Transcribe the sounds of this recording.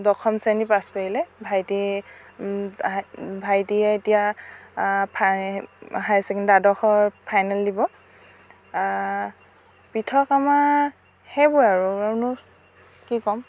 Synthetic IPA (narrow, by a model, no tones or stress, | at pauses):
dɔkʰɔmsenipaspaɹilɛbʱajti | bʱajtiɛetija | pʰ | hajsɛkndadɔxɔɹpʰajnaldibɔ | pitʰɔkama | hɛbʊjaɹuanʊ | kikɔm